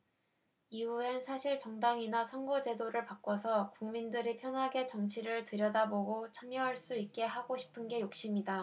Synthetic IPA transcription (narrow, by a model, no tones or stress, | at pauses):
iuensʰaɕʰiɭt͡ɕʌŋdaŋinasʰʌnɡʌd͡ʑe̞doɾɯɭpak͈wʌsʰʌkuŋmindɯɾipʰjʌnɦaɡe̞t͡ɕʌŋt͡ɕʰiɾɯɭtɯɾjʌdaboɡot͡ɕʰamjʌɦaɭs͈uik̚k͈e̞ɦaɡoɕʰi̥pʰɯnɡe̞jok̚ɕ͈imida